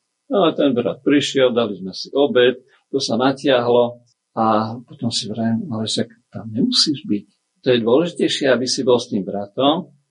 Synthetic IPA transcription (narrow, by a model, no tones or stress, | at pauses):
naɛt̪ɛnbɾa̰t̪̚pɾiʃɪɛld̪alizmɛsiʔɔbɛt̪ | t̪ɔsanacɪaɦlɔ | apɔt̪ɔmsiʋɾɛmalɛʃak | t̪amɲɛmusiːʒbic̚ | t̪ɔjɛd̪ʊɔlɛʒicɛjʃɪɛabisibɔlst̪iːmbɾat̪ɔm